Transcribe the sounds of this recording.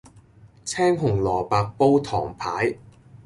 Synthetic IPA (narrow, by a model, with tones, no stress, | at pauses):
t͡sʰɛː˥ŋɦʊ˨˩ŋlɔː˨˩paː˧k̚po˥wt̪ʰɔ̰ː˨˩ŋpʰaː˨˥j